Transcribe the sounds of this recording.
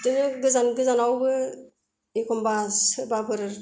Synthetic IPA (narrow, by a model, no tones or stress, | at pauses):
dɯnɯɡɯzanɡɯzanawbɯ | ikʰɔmbasɯbabɯɾɯɾ